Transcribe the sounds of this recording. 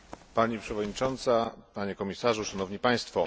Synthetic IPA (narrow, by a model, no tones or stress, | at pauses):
paɲipʂɛvɔd̪ɲit͡ʂɔnt̪sapaɲekɔmʲisaʐuʂanɔvɲipaj̃st̪fɔ